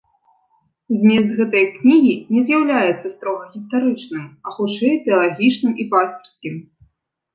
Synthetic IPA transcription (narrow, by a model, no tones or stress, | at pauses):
zʲmʲɛzd̪ɣɛt̪ɐjknʲiɣʲinʲɛzʲjawlʲajɛt̪sːɐst̪ɾɔɣɐɣʲist̪aɾɨt͡ʂnɨmɐxut͡ʂɛjt̪ʲɛɐlˠaɣʲit͡ʂnɨmipast̪ɐrskʲim